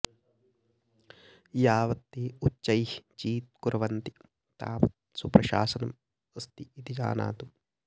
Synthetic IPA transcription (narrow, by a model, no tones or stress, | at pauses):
jaːʋɐt̪ːeːut͡ʃːɐjht͡ʃiːt̪̚kuɾɐʋɐnt̪i | t̪a̰ːmɐt̪supɾɐʃa̰ːsɐnɐm | ɐst̪iit̪id͡ʒa̰ːna̰ːt̪u